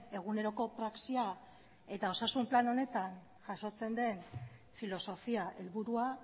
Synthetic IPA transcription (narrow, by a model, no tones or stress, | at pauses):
e̞ɣ̞une̞ɾo̞ko̞pɾaksia | e̞t̪ao̞sasumplano̞ne̞t̪an | ʝaso̞t͡se̞nd̪e̞n | filo̞so̞fiaʔelβuɾua